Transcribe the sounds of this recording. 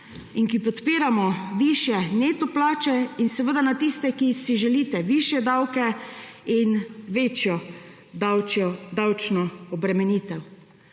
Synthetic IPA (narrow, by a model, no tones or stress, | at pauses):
iŋkipɔt̪piːɾamɔʋiʃjɛneːt̪ɔplaːt͡ʃɛinsɛʋəd̪anat̪ist̪ɛkisiʒɛliːt̪ɛʋiʃjɛd̪awkɛ | inʋeːt͡ʃjɔ | d̪awɔd̪awt͡ʃnɔɔbɾɛmɛniːt̪ɛw